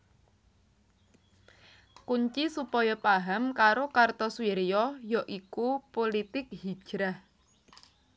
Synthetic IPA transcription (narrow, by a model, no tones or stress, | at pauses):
kuɲt͡ʃisupɔjɔpaɦamkaɾokart̪ɔswiɾjɔjɔʔikupolit̪ɪk̚hi̥ʒ̥ɾah